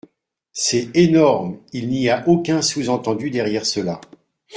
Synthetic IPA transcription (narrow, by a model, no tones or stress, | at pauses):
sɛenɔʁmilniaʔokʲɛ̃suzɑ̃t̪ɑ̃d̪yd̪ɛʁjɛʁsəla